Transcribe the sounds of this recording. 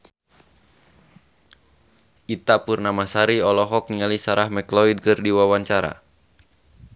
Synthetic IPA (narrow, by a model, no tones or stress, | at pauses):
it̪apurnamasaɾiɔlɔɦɔk̚niŋalisaɾahmɛklɔid̚kɨrdiwawaɲt͡ʃaɾa̰